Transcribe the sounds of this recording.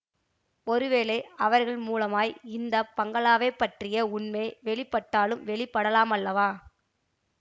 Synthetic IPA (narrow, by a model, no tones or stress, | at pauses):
ɔɾɯʋeːlɐɪɐʋɐɾɣɐɭmuːlɐmaːjɪnd̪ɐpɐŋɡɐɭaːʋɐɪpːɐʈrɪjɐʊɳmeɪʋɛɭɪpːɐʈːaːlɯmʋɛɭɪpːɐɽɐlaːmɐlːɐʋaː